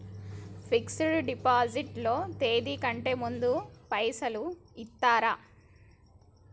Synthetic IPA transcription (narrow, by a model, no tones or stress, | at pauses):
pʰiksuɽuɖipaːd͡ʒiʈlo̞ːt̪e̞ːd̪ikɐɳʈe̞ːmund̪upɐjsɐluit̪ːaːɾa